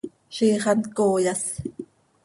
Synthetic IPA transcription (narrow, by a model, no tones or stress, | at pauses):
ʃiːχɑnkoːjas